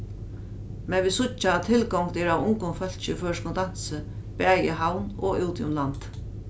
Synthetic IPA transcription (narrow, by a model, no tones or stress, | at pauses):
mɛnʋiːsʊt͡ʃaːt̪ʰːɪlkɔŋkd̪ɛːɾawʊŋkʊnfœl̥t͡ʃɪføːʂkʊnt̪an̥səpɛːjəɦawnɔɪwt̪jʊnlant̪